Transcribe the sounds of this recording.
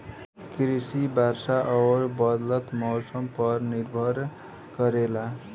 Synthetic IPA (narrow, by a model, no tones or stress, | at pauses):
kɾisibʱarsaʔʌwʌɾbʌd̪lʌt̪mʌwsʌmpʌrnirbʱʌr | kʌɾela